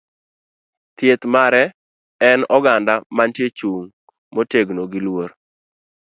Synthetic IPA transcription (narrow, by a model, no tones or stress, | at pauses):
t̪jet̪maɾɛ | ɛnɔɡandamantjet͡ʃuŋ | moteɡnoɡɪlwoɾ